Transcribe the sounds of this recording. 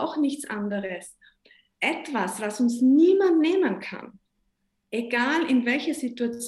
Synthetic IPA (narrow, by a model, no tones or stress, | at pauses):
ʊxnɪçt͡sʔa̰ndəʁəs | ʔɛtv̥asv̥asʊnsniːmantneːmənkʰa̰n | ʔeɡ̥aːlɪnvɛlçɐzituat͡s